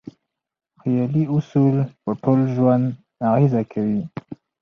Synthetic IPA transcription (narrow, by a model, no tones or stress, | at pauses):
ʁiɛliusulpɔtɔlʒwanː | aʁizakʲʰɛi